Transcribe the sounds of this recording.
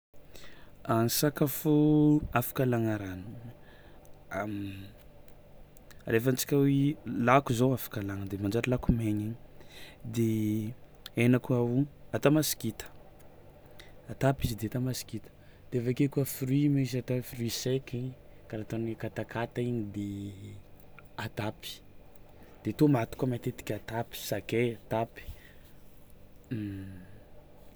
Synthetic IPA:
ansakafoafḁkalaŋaɾanu | a | ɾefant͡si̥kʲawelakuzowafḁkalaŋəd̪emand͡ʒaɾilakumeɲiɲid̪e | enakuawuat̪amasi̥kit̪ə̥ | at̪apizid̪eat̪amasi̥kit̪ə̥ | d̪̥eevakekuəfrimizat̪ofrisekiɲkaɾat̪onikat̪akat̪aiɲid̪e | at̪api̥ | d̪̥et̪omat̪u̥kamat̪et̪i̥kʲat̪api̥sakeat̪api̥

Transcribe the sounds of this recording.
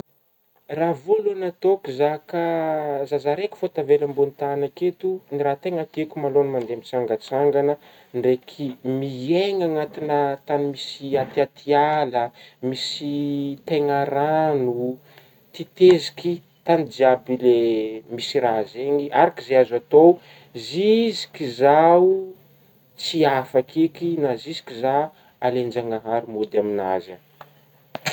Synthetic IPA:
ravulanat̪okuzakazazaɾeki̥fot̪avelambunit̪anaket̪uniɾat̪eŋat̪iekʲumalonimand̪emit͡saŋɡət͡saŋɡanə | nrekʰimieŋaŋat̪inət̪animisiat̪iat̪ʰialəmisit̪eŋaɾanu | t̪it̪eziki | t̪anid̪iabilemisiɾazeŋiaɾakizeazat̪o | zizi̥kizau | t͡siafakikinazizi̥kiza | alend͡ʒaŋaɦaɾumod̪amina̰zə

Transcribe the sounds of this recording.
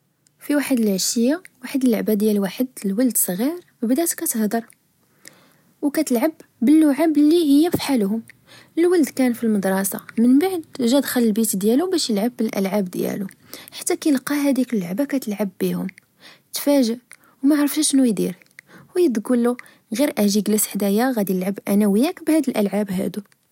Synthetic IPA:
fiwaħəd̪əlʕʃəjːawaħəd̪əlːʊʕbad̪jælwaħəd̪əlwəld̪sˤɣiɾ | əbd̪æt̪kːæt̪əhd̪ɑɾˤ | wkæt̪əlʕabbənːʊʕablːihəjːæfi̥ħalhʊm | əlwəld̪kænfilməd̪ɾˤɑsɑ̰mənbaʕd̪ʒæd̪xələlbit̪d̪jælubæʃjəlʕabːəlʔæ̰lʕabd̪jæ̰lu | ħḁt̪ːækæjəlqɑɦæd̪ikəlːʊʕbakæt̪əlʕabːihʊm | t̪fæʒəʔ | wmæʕɾˤəfhæʃnujd̪iɾ | wjəd̪ɡəlu | ɣiɾʔæʒiɡlæsħd̪æjaɣæd̪iəlʕabʔænæwəjːækbhæd̪əlʔəlʕabɦæ̰d̪u

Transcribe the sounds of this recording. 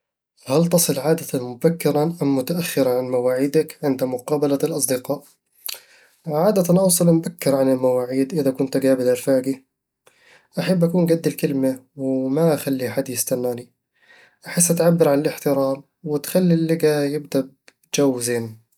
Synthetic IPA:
halt̪ɑsˤɨlʕaːd̪at̪anmʊbakːɪɾanʔamːʊt̪aʔaxːɪɾaʕanmawaːʕɪːd̪akʕɪnd̪mʊqɑːbalalʔɑsˤd̪ɪqɑːʔ | ʕaːd̪at̪anʔɑwsˤɨlmbakːɪɾʕanɪlmawaːʕiːd̪ʔɪðakʊnt̪ɡaːbɪd̪alfaːɡi | ʔaħabːʔakuːnɡad̪ːɪlkɪlmawɪmaʔxalːiħad̪ːjɪst̪anːaːli | ʔaħɪsːʔat̪ʕabːɪɾʕanɪlɪħt̪ɪɾaːm | wɪt̪xalːilːɪɡajɪb̚d̪ab | d͡ʒawːzeːn

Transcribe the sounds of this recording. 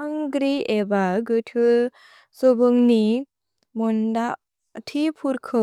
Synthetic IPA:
aŋɡɾiebaɡɯtʰɯ | sɔbɯŋni | mundaʔ | tʰipʰuɾkʰɯ

